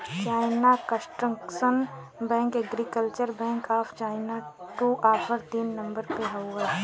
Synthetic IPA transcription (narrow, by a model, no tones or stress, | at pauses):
t͡ʃaːɪnakəsʈɾəksən | bɛ̃ːŋkɛɡɾikəlt͡ʃəɾbɛ̃ːŋkaːpʰt͡ʃaːɪnaʈuːʔaːpʰəɾt̪inːɐ̃mbəɾpeɦɐwʋəɾ